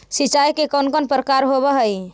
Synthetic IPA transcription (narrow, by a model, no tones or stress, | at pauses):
sit͡ʃajkekɔnkənpɾəkaɾɦoβəɦəj